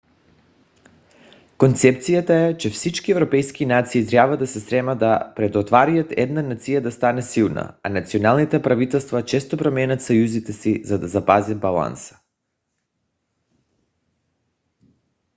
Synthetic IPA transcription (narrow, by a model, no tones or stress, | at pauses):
kont̪sɛp̚t̪sijat̪aɛt͡ʃɛfsit͡ʃkiɛvɾopɛjskinat̪siːt̪ɾʲjabad̪asɛst̪ɾɛmad̪apɾɛd̪ot̪vaɾijat̪ɛ̰d̪nanat̪sijad̪ast̪anɛsilˠna̰anat̪sionalˠnit̪ɛpɾavit̪ɛlˠst̪vat͡ʃɛst̪opɾomɛnat̪sajuzit̪ɛsizad̪azapazad̪̚balˠa̰nsḁ